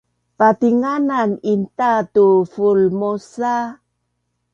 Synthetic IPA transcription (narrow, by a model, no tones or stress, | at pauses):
patiŋananintatufulmosa